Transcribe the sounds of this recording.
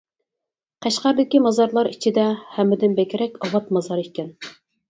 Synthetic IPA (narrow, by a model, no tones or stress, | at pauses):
qʰæʃqæɾd̪ɪkʲimɑzɑɾlˠɑɾit͡ʃʰid̪ɛhæmːɪd̪ɪnbɛkʲɾɛkʲɑwɑt̪mɑzɑɾikʲɛn